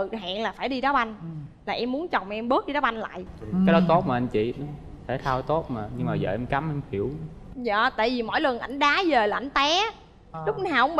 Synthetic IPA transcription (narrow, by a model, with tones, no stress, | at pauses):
ɨ˨˩ɦa̰ː˧˨ŋlaː˨˩faː˧˩jɗi˧ɗɔ˨˦ɓa˧jnlaː˨˩ʔɛ˧mːmu˨˦ənt͡ɕɔ˨˩wŋ͡mm˨˧ʔɛ˧mɓɨ˦˥ək̚ɗi˧ɗɔː˨˦ɓa˧jnla̰ː˧˨jʔkaː˨˦jɗɔ˨˦t̪o˦˥t̚maː˨˩ʔa˧nt͡ɕḭ˧˨n˨˦ | t̪ʰe˧˩t̪ʰaː˧wt̪o˦˥t̚maː˨˩ɲɨ˧ŋmaː˨˩zə̰ː˨˩ʔɛ˧mka˨˦mʔɛ˧mhi˧˩əw | za̰ː˧˨t̪a̰ː˧˨jvi˨˩mɔ̰˧˥jlə˨˩əŋʔa˧˩jŋ̟ɗaː˨˦zeː˨˩ləː˨˩ʔa˧˩jŋt̪ɛ˨˦ | lʊ˦˥k͡p̚naː˨˩whə̰˧˦ŋ͡m